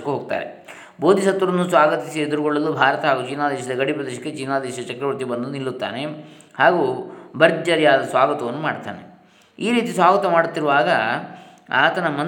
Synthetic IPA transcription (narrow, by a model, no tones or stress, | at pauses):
ɐkːuɦoːɡ̚t̪a̰ːɾḛ | bo̞ːd̪ʱisɐt̪ːʋɐɾɐnːusʋaːɡɐt̪isied̪uɾuɡoɭːɐlːubʱaːɾɐt̪ɐɦaːɡut͡ʃinːaːd̪ɛːʃɐd̪ɐɡɐɽipɾɐd̪ɛːʃɐkːet͡ʃinːaːd̪ɛːʃɐd̪ɐt͡ʃɐkɾɐʋɐɾt̪ibɐnd̪unilːut̪ːa̰ːne | haːɡubɐɾd͡ʒɐɾjaːd̪ɐsʋaːɡɐt̪ɐʋɐnːumaːɽt̪a̰ːne | iːɾiːt̪isʋaːɡɐt̪ɐmaːɽut̪ːiɾuʋaːɡɐ | aːt̪ɐnɐmɐn